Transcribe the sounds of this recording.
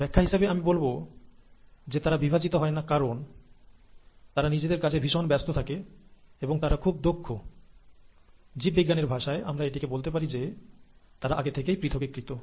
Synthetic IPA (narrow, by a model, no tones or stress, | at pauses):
bɛkʰːaɦiʃabeamibolbo | d͡ʑet̪aɾabibʱad͡ʑit̪oɦɔenakaɾon | t̪aɾanid͡ʑed̪eɾkat͡ɕʰebʱiʃonbɛst̪ot̪ʰakeeboŋt̪aɾakʰub̚d̪okʰːo | d͡ʑib̚biɡːaneɾbʱaʃaeʔamɾaeʈikebolt̪epaɾid͡ʑe | t̪aɾaʔaɡet̪ʰekejpɾit̪ʰokekɾit̪o